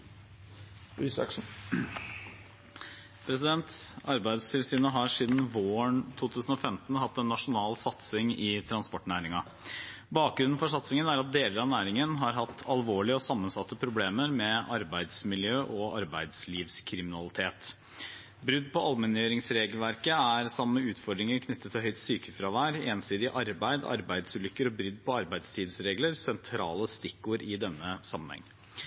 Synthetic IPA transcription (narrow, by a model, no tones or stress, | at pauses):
ʉsɑ̰kʂ̩ | pʰɾɛsɪd̪ɛnt̪ɑɾbæɪd̪st̪ʰɪlsyːnəɦɑʂiːd̪n̩ʋoːəɳt̪ʰuːt̪ʰʉːsn̩ɔfɛmt̪n̩hɑt̪ːɛnːɑʂʊnɑːlsɑt̪sɪŋɪt̪ʰɾɑnspɔʈɳæːɾɪŋɑ | bɑːk̚ɡɾʉnn̩fɔʂɑt̪sɪŋənæɾɑt̪̚d̪eːləɾɑnæːɾɪŋənɦɑɾɦɑt̪ʰːɑlʋoːɭɪəɔsɑmːənsɑt̪ːəpʰɾʊbleːməɾmɛɑɾbæɪd̪smɪljøːʔɔʔɑɾbæɪd̪sliːʋskʰɾɪmɪnɑlɪt̪ʰeːt̪ | bɾʏd̪ːpʰɔɑlmɛnjøːɾɪŋsɾeːɡəlʋæɾkəæɾsɑmːəʉːt̪fɔɖɾɪŋəɾkʰnʏt̪ːət̪ʰːɪlɦœʏt̪syːkəfɾɑʋæːɾeːnsiːd̪ɪʔɑɾbæɪd̪ɑ̰ɾbæɪd̪sʉlʏkːəɾɔbɾʏd̪ːpʰɔɑɾbæɪd̪st̪ʰiːd̪sɾeːɡləɾsɛnt̪ʰɾɑːləst̪ɪkːuːəɾɪd̪ɛnːəsɑmːənhɛ̰ŋː